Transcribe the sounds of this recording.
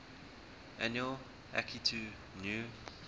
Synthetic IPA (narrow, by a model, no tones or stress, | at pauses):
ʔæ̃njuəlˠ | ʔæ̰kʰitʰu | nju